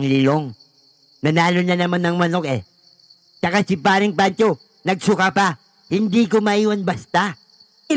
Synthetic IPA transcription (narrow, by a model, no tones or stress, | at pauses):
ŋlɪloŋ | nɐnaːlonanɐmanːɐŋmɐno̞kɛ̰ | t͡ʃɐkasipaːɾɪŋpant͡ʃo | nɐɡsʊkapɐ | hɪnd̪ikomɐʔiːwanbɐst̪a